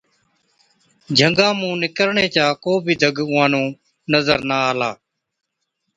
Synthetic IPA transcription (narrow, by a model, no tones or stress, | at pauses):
d͡ʒʱəŋɡãːmũːnɪkəɾɳeːt͡ʃaːkoːbʱiːd̪ʱəɡʊːãːnõː | nəzəɾnaːaːlaː